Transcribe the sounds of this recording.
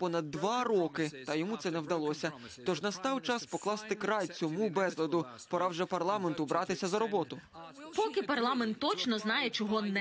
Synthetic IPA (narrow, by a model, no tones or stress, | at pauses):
pɔnɐd̪ːʋɑɾɔkɪt̪ɐjɔmut̪sɛnɛwd̪ɐlˠɔsʲɐ | t̪ɔʒnɐst̪ɑwt͡ʃɑspɔklˠɑst̪ɪkɾɑjt͡sʲɔmubɛzlˠɐd̪ʊ | pɔɾɑwʒɛpɐrlˠɑment̪ʊbɾɑt̪ɪsʲɐzɐɾɔbɔt̪ʊ | pɔkɪpɐrlˠɑment̪ːɔt͡ʃnɔznɑjɛt͡ʃɔɦɔnɛ